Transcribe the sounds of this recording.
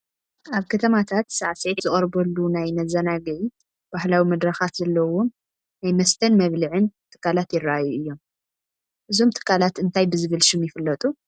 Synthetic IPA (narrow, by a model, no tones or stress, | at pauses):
ʔaβkʰɐt̪ʰɐmat̪ʰat̪saʕsezɨχʼɐɾbɐlːunajnɐzɐnaɡɨʕi | b̥ahlawimɐd̪ɾɐxat̪zɐlːɐwom | najmɐst̪ʰɐnmɐβlɨʕɨnt̪ʰɨ̥kʰːalat̪jɪraʔajuʔɨjːo̞m | ʔɨzo̞mt̪ʰɨ̥kʰːalat̪ʔɨnt̪ʰajbɨzɨβɨlʃɨmjɪfɨlːɐt̪ʼu